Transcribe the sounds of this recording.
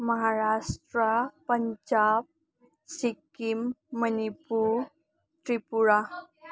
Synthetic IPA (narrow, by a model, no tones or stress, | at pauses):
məɦaɾasʈɾəpəɲd͡ʑab̚ | sikimːənipuɾ | t̪ɾipuɾa